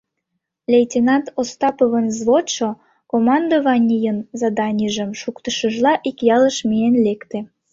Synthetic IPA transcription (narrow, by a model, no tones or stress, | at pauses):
lʲejtʲenɑnt̪ost̪ɑpoβənzβot̪ʃo | komɑnd̪ovɑnʲijənzɑd̪ɑnʲiʒəmʃukt̪əʃəʒlɑʔikjɑləʃmienlekt̪e